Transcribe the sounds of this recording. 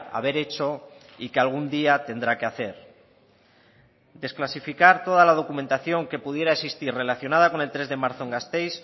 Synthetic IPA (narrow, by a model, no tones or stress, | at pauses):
a̰βe̞ɾe̞t͡ʃo̞ | ikealɣ̞und̪iat̪e̞nd̪ɾakeaθe̞ɾ | d̪e̞sklasifikaɾt̪o̞ð̞alað̞o̞kument̪aθjo̞ŋke̞puð̞je̞ɾaesist̪irre̞laθjo̞nað̞ako̞ne̞lt̪ɾe̞zðe̞maɾθoeŋɡast̪e̞js